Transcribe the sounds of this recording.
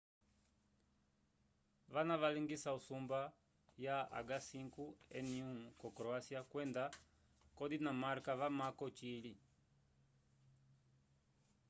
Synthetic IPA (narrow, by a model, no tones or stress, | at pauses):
βanaʋaliŋɡisausumba | jaa̰ɡasiŋkuɛniukɔkɾɔasiakwɛnda | kɔdinamaɾkaβamakɔt͡ʃili